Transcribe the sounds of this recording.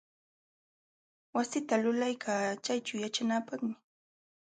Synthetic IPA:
wasɪt̪alʊlajkʰaːt͡ʃajt͡ʃawjat͡ʃanaːpɑχmɪ

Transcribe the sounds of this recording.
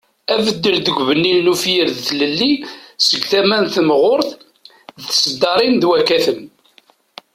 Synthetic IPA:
ævəd̪ːəld̪əɡʷvənːilnufjəɾðθləlːisəɡθæmænθmʁʊɾθ | ðθsəd̪ːɑɾˤind̪wækːæθən

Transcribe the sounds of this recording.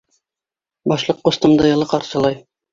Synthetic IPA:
bɒʃlˠɤqːust̪ɤ̆md̪ɤjɤ̆lˠɤqɑɾsɤ̆lˠɑj

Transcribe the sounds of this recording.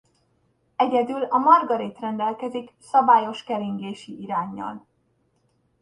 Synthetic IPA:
ɛɟɛd̪ylɒmɒrɡɒɾit̪rɛnd̪ɛlkɛziksɒbaːjo̞ʃkɛɾiŋɡeːʃiʔiɾaːɲːɒ̰l

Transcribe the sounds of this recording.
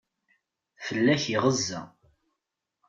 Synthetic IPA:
fəlːæçiʁəzːæ̰

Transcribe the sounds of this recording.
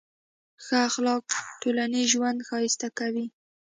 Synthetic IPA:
xəaxlɑk̚ʈolaniʒwand̪xɑjɪst̪akawi

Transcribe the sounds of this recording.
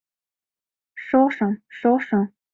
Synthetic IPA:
ʂoʂɑŋʂoʂɑŋ

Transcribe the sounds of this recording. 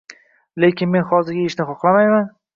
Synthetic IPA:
le̞kʲʰɪnme̞nχɒzɪɾɡʲaɪʃnɪχɒχlˠamajman

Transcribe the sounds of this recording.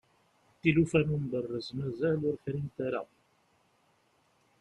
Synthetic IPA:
θilufænumbərˤːəzmæzælʊɾçɾint̪aɾa̰

